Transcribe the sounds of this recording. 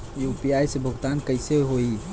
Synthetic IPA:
jupijajsebʱəɡt̪ankəjseɦoi

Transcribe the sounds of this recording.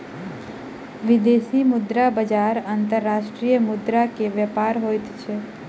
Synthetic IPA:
ʋɪd̪esimʊd̪ɾabəd͡ʒaɾant̪əɾːaʃʈɾijəmʊd̪ɾakeʋəpaɾɦojt̪t͡ʃʰe

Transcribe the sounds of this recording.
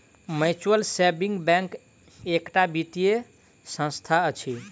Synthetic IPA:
mət͡ʃuwəlsebiŋɡbɛ̃ŋk | ekʈabit̪ije | sə̃st̪ʰaət͡ʃʰi

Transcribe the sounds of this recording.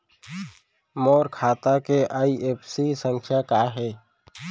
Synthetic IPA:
moːɾkʰaːt̪akeʔaːieːpʰsisə̃ŋkʰjakaːɦɛː

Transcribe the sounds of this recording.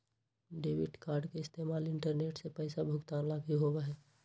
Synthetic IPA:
ɖeːʋɪʈkaːɾɖkeɪst̪eːmaːlɪ̃ɳʈəɾneːʈsepɛːsabʱʊɡt̪aːnlaːɡʱiɦoːʋaɦɛː

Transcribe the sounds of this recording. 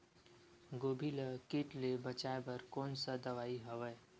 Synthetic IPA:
ɡoːbʱiləkɪʈlebət͡ʃaːebɐɾkɔːnsad̪ɐʋaːiɦɐʋəe

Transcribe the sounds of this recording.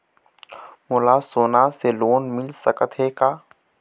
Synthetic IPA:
mʊlaːsoːnaseloːnmɪlsəkət̪ɦekaː

